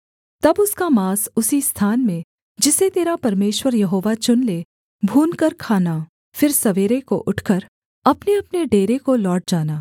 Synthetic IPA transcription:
t̪ɐbʊskamaːsʊsist̪ʰaːnmẽ | d͡ʒɪset̪eːɾapɐɾmeːʃwəɾjɐɦoːʋat͡ʃʊnle | bʱuːnkɐɾkʰaːna | fɪɾsɐʋeːɾeko̰ʔʊʈʰkəɾ | ɐpneɐpneɖeːɾekolɔːʈ̚d͡ʒaːnaː

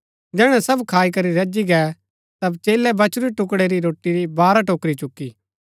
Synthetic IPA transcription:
d͡ʒɛːɽ̃ɛ̃sɐbkʰaːikɐɾiɾɐd͡ʒiɡɛː | t̪ɐbt͡ʃeːlɛbɐt͡ʃɾiʈʊkɽeɾiɾoːʈːiɾibaːɾaʈoːkɾit͡ʃʊkːi

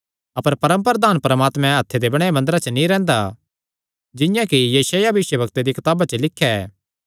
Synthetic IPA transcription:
ɐpəɾpɐɾə̃mpəɾəd̪aːnpɾəmaːt̪mɛ̃ɐt̪ʰːed̪ebɐɽ̃emɐ̃nd̪əɾat͡ʃənĩɾɛ̃ːnd̪a | d͡ʒɪ̃jãkijɐsaːjabɪʃjəbʱɐkt̪ed̪ikɪt̪aːbat͡ʃəlɪkʰːjaɛ̰ː

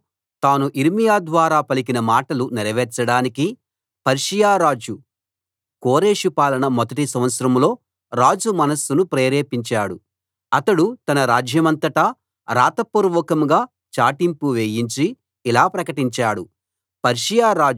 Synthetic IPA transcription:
t̪aːnuʔiɾmijaːd̪ʋaːɾaːpɐlik̬inɐmaːʈɐlunɛɾɐʋɛːɾt͡ʃɐɽaːniki | pɐɾʂijaːɾaːd͡ʒu | koːɾeːʂupaːlɐɳɐmɔd̪ɐʈisɐmʋɐt̪sɐɾɐmlo̞ː | ɾaːd͡ʒumɐnɐsːunupɾeːɾeːpiɲt͡ʃaːɽu | ɐt̪ɐɽut̪ɐnɐɾaːd͡ʒʱjɐmɐnt̪ɐʈɐ | ɾaːt̪ɐpuɾʋɔːkɐmɡaː | t͡ʃaːʈimpuʋejiɲt͡ʃiː | laːpɾɐkɐʈiɲt͡ʃaːɽu | pɐɾʂijaːɾaː

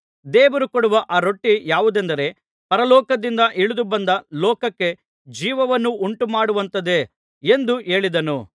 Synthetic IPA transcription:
d̪eːʋɐɾukɔɽuʋɐʔaːɾo̞ʈːijaːʋud̪ɛnd̪ɐɾe̞ | pɐɾɐlɔːkɐd̪ind̪ɐʔiɭud̪ubɐnd̪ɐlɔːkɐkːe̞ | d͡ʒiːʋɐʋɐnːuʔuɳʈumaːɽuʋɐnt̪ɐd̪e̞ | end̪uʔe̞ːɭid̪ɐnu

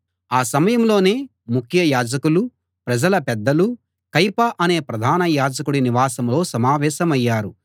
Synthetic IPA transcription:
aːsɐmɐjɐmlo̞ːne̞ː | mukʰjɐjaːd͡ʒɐkulu | pɾɐd͡ʒɐlɐpɛd̪ːɐlu | kɐjpɐʔɐne̞ːpɾɐd̪ʱaːnɐjaːd͡ʒɐkuɽiniʋaːsɐmlo̞ːsɐmaːʋɛːsɐmɐjːaːɾu

